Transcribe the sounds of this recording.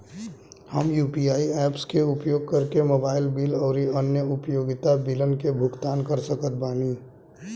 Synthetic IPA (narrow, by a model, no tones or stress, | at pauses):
həmjuːpiaːiɛːpskeʊpjoːɡ̚kəɾkemoːbaːɪlbiːlɔːɾiənjəʊpjoːɡɪt̪abilənkebʱʊkt̪aːnkəɾsəkət̪̚baːniː